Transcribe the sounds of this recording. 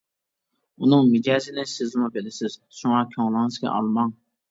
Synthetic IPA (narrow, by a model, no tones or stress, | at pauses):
unɨŋmɪd͡ʒɑːzɪnɪsɪzmubɪlɪsɪz̥ | ʃuŋɑkʲʰoŋlˠɨŋɨzɡʲɛ̰ʔɑ̰lˠmɑŋ